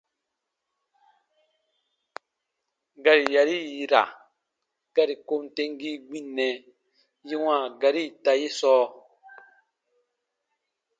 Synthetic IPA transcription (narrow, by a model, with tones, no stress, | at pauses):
ɡa˨ɾi˨ja˨ɾi˦ji˨ɾa̰˨ | ɡ̥a˨ɾi˨ko˦mte˦ŋɡi˦ɡ͡bĩ˦˨nːɛ˨ | ji˦wãː˦˨ɡa˨ɾi˦˨ta˧ji˦sɔː˦